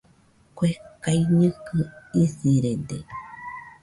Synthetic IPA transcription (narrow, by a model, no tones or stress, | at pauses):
kʷekaiɲɨ̃kɨisiɾed̪ḛ